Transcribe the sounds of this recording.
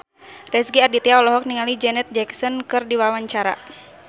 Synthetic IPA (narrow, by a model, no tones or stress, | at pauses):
rɛsɡiadit̪iaɔlɔɦɔk̚niŋalid͡ʒɛnɛt̪̚d͡ʒɛksɔnkɨrdiwawaɲt͡ʃaɾa̰